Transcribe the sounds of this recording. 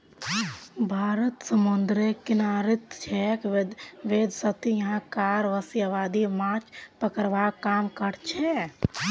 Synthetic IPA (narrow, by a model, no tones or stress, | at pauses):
bʱaɾət̪səmund̪ɾekinaɾit̪t͡ʃʰɛk̪ʋed̪sət̪ijəɦãkaɾʋəsjəʋad̪imat͡ʃpəkəɾʋakamkəɽt͡ʃʰɛ